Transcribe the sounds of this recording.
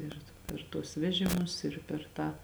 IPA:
ˈɪr pʲɛr tuɔs ˈʋʲæːʒʲɪmʊs ɪr pʲɛr ˈtɑː

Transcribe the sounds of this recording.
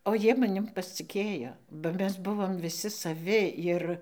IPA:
oː ˈjiɛ mɐˈnʲɪm pɐsʲt͡sʲɪˈkʲeːjoː bɐ ˈmʲɛs ˈbʊʋoːm ʋʲɪˈsʲɪ sɐˈʋʲɪ ˈɪr

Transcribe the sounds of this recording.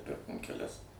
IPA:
ˈpʲɪrkoːm kʲɛˈlʲɛs

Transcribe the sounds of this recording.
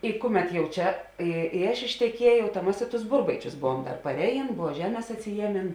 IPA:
ɪ ˈkʊˌmʲɛt jɛʊ ˈt͡ʃʲɛ ˈɪ ɪ ˈɐʃ ɪʃʲtʲɛˈkʲiɛjɛʊ tɐ ˈmɐs ɪ tʊs ˈbʊrbɐɪt͡ʃʲʊs ˈbʊʋuɔm dɐr pɐrʲˈæːˌjeːn ˈbʊʋoː ˈʒʲæːˌmʲeːs ɐtʲsʲɪˈjiɛˌmʲeːn

